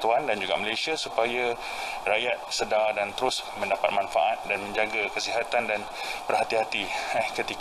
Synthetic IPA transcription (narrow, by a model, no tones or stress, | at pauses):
t̪uandand͡ʒuɡa̰məlajsiasupaja | rajat̪̚sədadant̪əɾʊsmə̃ndapat̪̚manfa̰ʔat̪̚danmə̃ɲd͡ʒaɡakəsiɦat̪andan | pərɦat̪iɦat̪iakət̪ik